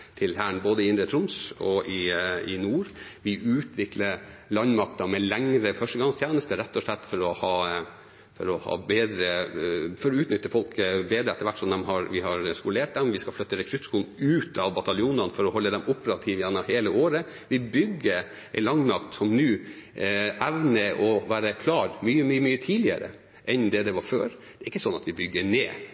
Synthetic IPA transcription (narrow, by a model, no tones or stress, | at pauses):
t̪ʰɪlhæːɳboːd̪əɪɪnd̪ɾət̪ʰɾʊmsɔ̰ʔɪɪnuːɾʋɪʔʉːt̪ʋɪkləɾlɑnmɑk̚t̪ɑmɛlɛŋɾəfœʂʈəɡɑŋst̪ʰjæːnəst̪əɾɛt̪ːɔʂlɛt̪ːfɔɾɔhɑː | fɔɾɔhɑ̰ːbeːd̪ɾəfɔɾɔʉːt̪nʏt̪ːəfɔlkbeːd̪əɛt̪ːəɾʋæʈːsɔmd̪ɛmɦɑɾʋɪhɑɾskʊleːʈ̚d̪ɛmʋɪskɑflœt̪ːəɾɛkʰɾʉt̪ːskuːln̩ʉːt̪ʰɑʋbɑt̪ɑljuːnɑnfɔɾɔhɔlːəd̪ɛmʔʊpəɾɑt̪ʰiːʋəjænɑheːləoːɾə | ʋɪbʏɡːəɾ | ɛlɑŋːnɑkt̪sɔmnʉː | ʔæʋnəʔɔʋæːɾəkʰlɑːɾmyːəmyːəmyːət̪ʰiːlɪə̰ɾə̰ | ʔɛnd̪ɛd̪ɛʋɑɾføːɾd̪̥ɛɾɪkːəsɔnːɑt̪ʋɪbʏɡːəɳeː